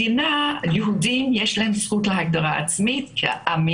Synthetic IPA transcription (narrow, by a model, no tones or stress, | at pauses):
inajeɦudimjɛʃlahemsχutlaɦaɡ̚d̪aʁaa̰t͡smit̪kʰḛʔami